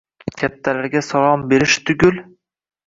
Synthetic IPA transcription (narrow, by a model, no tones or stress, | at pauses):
kʲʰat̪ʰːalaɾɡʲasalˠɒmbe̞ɾɪʃt̪ʰʊɡʲʊl